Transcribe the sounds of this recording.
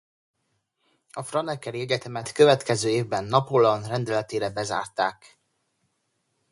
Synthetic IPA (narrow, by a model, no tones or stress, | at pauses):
ɒfrɒnɛkːɛɾiɛɟɛt̪ɛmɛt̪køvɛt̪kɛzøːeːvbɛnːɒpolɒnrɛnd̪ɛlɛt̪eːɾɛbɛza̰ːrt̪aːk